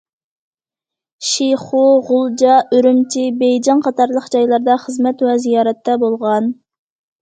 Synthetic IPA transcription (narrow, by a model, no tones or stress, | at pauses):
ʃiχuʁʊlˠd͡ʒɑøɾymt͡ʃʰibejd͡ʒɑŋqʰɑt̪ʰɑɾlˠəqd͡ʒɑjlˠɑɾd̪ɑχəzmɛt̪wɛzijɑːɾɛt̪ʰːɛbolˠʁɑn